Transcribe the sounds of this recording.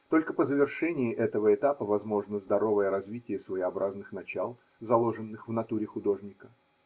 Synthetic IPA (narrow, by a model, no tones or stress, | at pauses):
t̪o̞lʲkəpəzəvʲɪrʂɛnʲɪɪʔɛt̪əvəɪt̪apəvɐzmo̞ʐnəzd̪ɐɾo̞vəjəɾɐzvʲitʲɪjəsvəɪɐbɾʔaznɨxnɐt͡ɕalˠ | zɐlˠo̞ʐɨnːɨxvnɐt̪uɾʲɪxʊd̪o̞ʐnʲɪkə